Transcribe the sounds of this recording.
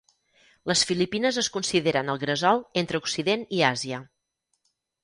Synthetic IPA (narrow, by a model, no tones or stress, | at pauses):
ləsfilipinəzəskunsiðeɾənəlˠɣɾəzɔlˠent̪ɾəuksiðeniaziə